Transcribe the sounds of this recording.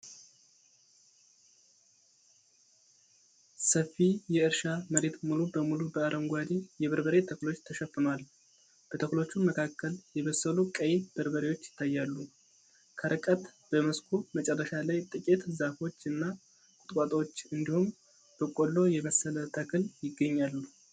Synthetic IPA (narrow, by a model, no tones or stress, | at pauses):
səfːijɛɨɾʃaməɾe̞t̪mulubəmulubəaɾʔəŋɡʷwad̪ijɛβəɾbəɾet̪ʰəklo̞t͡ʃːt̪ʰəʃɛfɨmal | b̥ət̪ʰəklo̞t͡ʃːunməkʰakːəljɛβəsːəlukʼəjeb̥əɾbəɾewo̞t͡ʃːjɪ̥t̪ʰːajːalːu | kʰəɾɨkʼət̪b̥əməskʰumət͡ʃʼɛrːəʃalajt̪ʼɨkʼet̪zafo̞t͡ʃːɨnːa | kʼʊ̥t̪ʼkʼat̪ʼwot͡ʃːɨnd̪ihum | b̥əkʼolːo̞jɛməsːələt̪ʰəkʰɨljɪɡːəɲːalːu